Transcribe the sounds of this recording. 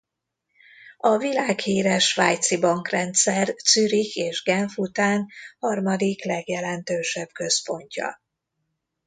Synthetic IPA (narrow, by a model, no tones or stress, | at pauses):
ɒvilaːkhiːɾɛʃvaːjt̪sibɒŋkrɛnt̪sɛrt̪syɾikʰeːʒɡɛɱfut̪aːnhɒrmɒd̪iklɛɡjɛlɛnt̪øːʃɛb̥̚kø̞spo̞ɲcɒ̰